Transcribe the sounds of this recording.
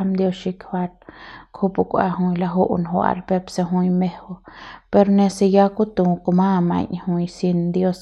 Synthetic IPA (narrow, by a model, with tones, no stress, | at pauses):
md̪jo˧ʃi˧kha˧t̪kʰu˦˧pu˧kʷa̰˧ɦu˧jla˧ɦu˦ʔnɦwa̰˧ɾpe˧pse˧ɦũ˧jme˧ho˧pe˧ɾne˧se˧ja˦ku˦t̪u˧ko˧ma˦˧ma̰˧ɲhu˧jsi˧nd̪jo˦s